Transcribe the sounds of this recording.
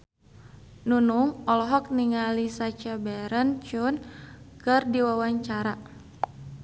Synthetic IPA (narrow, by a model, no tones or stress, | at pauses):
nunuŋɔlɔɦɔk̚niŋalisat͡ʃabɛɾənt͡ʃunkɨrdiwawaɲt͡ʃaɾa